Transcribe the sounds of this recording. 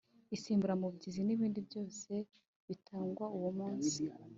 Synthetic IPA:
isiːmbuɾamubɟiziniβiːndibjo̞ːse̞ | βitʰaːŋɡwauwomuːnsi

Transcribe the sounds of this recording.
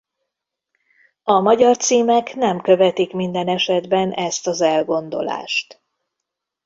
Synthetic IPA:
ɒmɒɟɒrt̪siːmɛknɛmkø̞vɛt̪ikmind̪ɛnɛʃɛd̪bɛnɛst̪ɒzɛlɡo̞nd̪o̞̰la̰ːʃt̪

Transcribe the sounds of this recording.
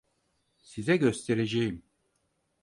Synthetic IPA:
sizɛɟø̞st̪ʰeɾed͡ʒejim

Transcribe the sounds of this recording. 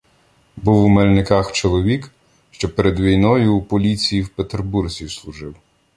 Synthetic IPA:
buwmelʲnɪkɑxt͡ʃɔlˠɔʋʲik | ʃt͡ʃɔpeɾed̪ʋʲijnɔjʊːpɔlʲit͡sʲijiwpet̪erburzʲislˠuʒɪw

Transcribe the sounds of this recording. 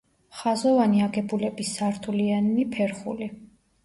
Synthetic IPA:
χazɔvaniaɡɛbulɛbisːaɾt̪ʰulianmipʰɛɾχṵli

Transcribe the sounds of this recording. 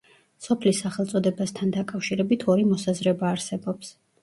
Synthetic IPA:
sɔpʰlisːaχɛlˠt̪sʼɔd̪ɛbast̪ʰand̪akʼafʃiɾɛbit̪ʰɔɾimɔsazɾɛbaːɾsɛbɔps

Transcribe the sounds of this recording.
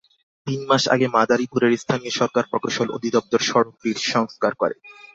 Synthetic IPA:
t̪inmaʃa̰ɡemad̪aɾipuɾeɾst̪ʰanioʃɔɾkaɾpɾɔkoʃolo̰d̪ʱid̪ɔp̚t̪oɾʃɔɾok̚biɾʃɔŋskaɾkɔɾḛ

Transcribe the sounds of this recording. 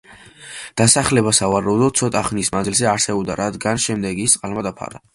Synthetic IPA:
d̪̥asaχlɛbasavaɾaud̪ɔt̪̚tsʰɔt̪ʼaχnismanzilzɛaɾsɛbɔbd̪aɾad̪ɡanʃɛmd̪ɛɡist̪ʼqʼalmad̪apʰa̰ɾa

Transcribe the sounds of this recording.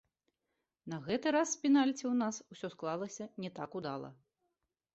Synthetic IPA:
nɐɣɛt̪ɨɾaspʲinalʲt͡sʲɛwnasusʲɔsklˠalˠɐsʲɐnʲɛt̪akud̪alˠɐ̰

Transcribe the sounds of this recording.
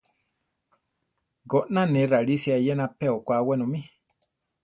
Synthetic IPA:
ɡoʔnãnɛ̃ɾaɺisiajɛnãpɛokʷawɛnõmĩ

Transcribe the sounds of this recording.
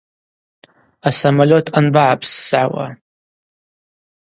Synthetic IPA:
asamalʲotʰanbaʕapʰsːʕawa̰

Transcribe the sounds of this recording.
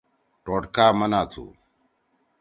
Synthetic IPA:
ʈoːʈkaːmɐnaːt͡sʰṵ

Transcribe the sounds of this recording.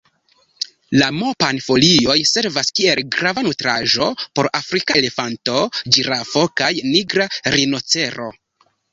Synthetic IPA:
lamo̞panfolio̞jse̞ɾvaskielɡɾavanutɾaʒo̞po̞ɾafɾikale̞fanto̞d͡ʒiɾafo̞kajniɡɾaɾinot͡se̞ɾo̞̰

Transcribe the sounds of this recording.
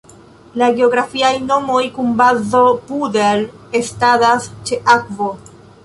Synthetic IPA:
laɡe̞o̞ɡɾafiajno̞mo̞jkunbazopudel | estadast͡ʃe̞ʔakvo

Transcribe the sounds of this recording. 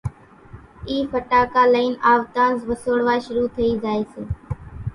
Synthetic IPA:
iːfəʈaːkaːləiːnaːʋt̪ãːzʋəsoːɽʋaːʃʊɾuːt̪ʰəiːzaːeːseː

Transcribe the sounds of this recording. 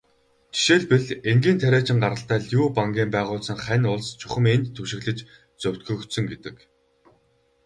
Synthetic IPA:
t͡ɕʰi̥ʃeːɮpeɮeŋɡiːnt̪ʰæɾʲæːt͡ɕɪ̆ŋɢaɾə̆ɬt̪æːɮjuːpaŋɡʲiːmpæːʁʊːɮsə̆ŋχænʲʊɮst͡ɕʰʊχə̆ment̪t̪ʰːɵʃɪ̆ɣɮɘ̆t͡ɕ | t͡sœw̥ʲt̪̚ɡɵ̆xt̪sɵ̆ŋɡet̪ɘ̆k

